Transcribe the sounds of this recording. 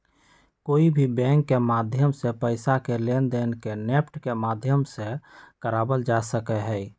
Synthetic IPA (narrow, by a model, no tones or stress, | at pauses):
koːibʱibɛ̃ːŋkːemaːd̪ʱjəmsepəɪsakelend̪eːnkenepʈkemaːd̪ʱjəmsekəɾaːbəld͡ʒasəkɛɦɛi